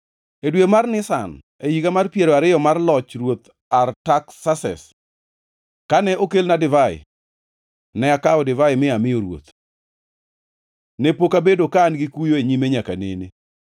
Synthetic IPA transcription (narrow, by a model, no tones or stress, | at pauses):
edwemarnɪsa̰n | ejiɡamarpjeɾɔaɾɪjɔmarlɔt͡ʃrwot̪ | artaksasɛ̰s | kanɛʔokelnadɪvaɪ̰ | nɛakaɔdɪvaɪmɪamɪjoɾwo̰t̪ | nepokabedokaːnɡɪkujoeɲimeɲakanḛnɪ